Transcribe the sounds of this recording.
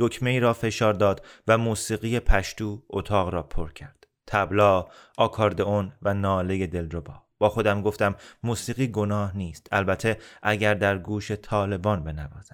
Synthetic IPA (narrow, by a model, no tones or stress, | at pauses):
d̪̥o̞cʰme̞iːɾɒːfe̞ʃɒːɾd̪ɒːd̪væmuːsiːɣije̞pʰæʃt̪uːot̪ʰɒːɣɾɒːpʰo̞ɾcʰæɾd̪̥ | t̪ʰæblɒːʔɒːkʰɒːɾd̪eonvænɒːle̞je̞d̪e̞lɾobɒːb̥ɒːxo̞d̪æmɡo̞ft̪æmːuːsiːɣiːɡo̞nɒːhniːst̪ʰælbæt̪ʰe̞ʔæɟæɾd̪æɾɡuːʃe̞t̪ʰɒːle̞bɒːnbe̞nævɒːz̥æ̥